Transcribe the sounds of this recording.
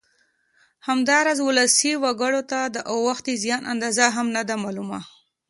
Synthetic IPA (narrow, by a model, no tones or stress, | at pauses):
hamd̪ɑɾɑzwʊləsiwaɡəɽot̪ad̪əʔawaxt̪ezjɑnʔa̰nd̪ɑzaɦamnad̪amɑluma̰